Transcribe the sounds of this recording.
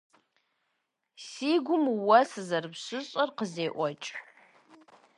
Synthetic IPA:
siɡʷʊmwasɨzarbʂʷɨɕʼarqəzejʔʷat͡ʃʼ

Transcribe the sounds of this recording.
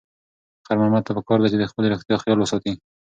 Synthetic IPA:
xaɾmamat̪ːapəkɑɾd̪at͡ʃed̪əxpəleɾoxt̪jɑxjɑlwəsɑt̪i

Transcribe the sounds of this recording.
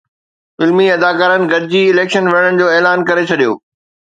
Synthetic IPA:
fɪlmiɐd̪aːkaːɾənɪ̆ɡɐd̪ɪd͡ʑiɪleːkʃənʋɐəɽ̃əɽ̃ɪ̆d͡ʑoːeːlaːnkɐɾet͡ɕʰɐɗijo̰ː

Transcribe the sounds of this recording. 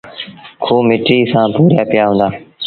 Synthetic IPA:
kʰoːmɪʈiːsãːpuːɾjaːpɪjaːɦõːnd̪aː

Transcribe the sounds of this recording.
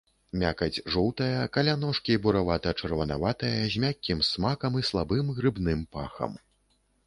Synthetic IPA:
mʲakɐd͡zʲʐɔwt̪ɐjɐkalʲanɔʂkʲibuɾavat̪ɐt͡ʂɐrvɐnavat̪ɐjɐzʲmʲakʲːimsmakɐmislˠabɨmɣɾɨbnɨmpaxɐ̰m

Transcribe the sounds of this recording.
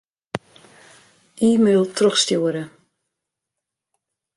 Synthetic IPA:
ʔiːmøːlˠtrɔxstjuəɾə

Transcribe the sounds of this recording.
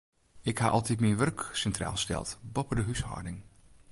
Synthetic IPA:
ɪkha̰ːʔɑlˠtʰitmiʋørksɛntra̰ːlˠstɛ̰lˠtbɔpədəɦyshɔ̰ːɹdɪŋ

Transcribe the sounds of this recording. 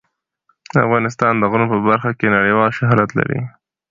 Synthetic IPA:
d̪əa̰fɣɑnɪs̬t̪ɑnd̪əɣunopəbaɾxakenaɽəjwɑlʃaɦɑɾat̪la̰ɾḭ

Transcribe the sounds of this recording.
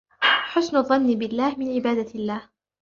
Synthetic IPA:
ħʊsnʊðˤːɑnːɪbɪlːaːhmɪnʕɪbaːd̪alːaːh

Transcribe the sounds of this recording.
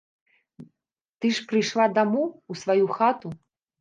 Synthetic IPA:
t̪ɨʂpɾɨjʂlˠad̪amuːsvajuxat̪u

